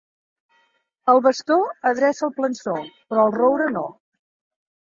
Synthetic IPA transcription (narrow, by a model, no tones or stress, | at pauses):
əlˠβəst̪oəðɾɛsəlˠplənsopɾɔəlˠrowɾəno